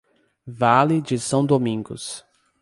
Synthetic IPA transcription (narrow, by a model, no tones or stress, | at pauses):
valɪd͡ʒɪsɐ̃w̃d̪omĩŋɡʊ̰s